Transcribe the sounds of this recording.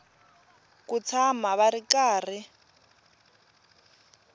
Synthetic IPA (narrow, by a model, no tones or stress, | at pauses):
kut͡sʰamaβaɾikaːr̤i